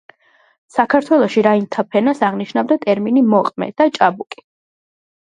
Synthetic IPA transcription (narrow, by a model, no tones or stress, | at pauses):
sakʰaɾt̪ʰwɛlˠɔʃiɾaint̪ʰapʰɛnasaʁniʃnavd̪at̪ʼɛɾminimɔqʼmɛ̰d̪̥at͡ʃʼabukʼi̥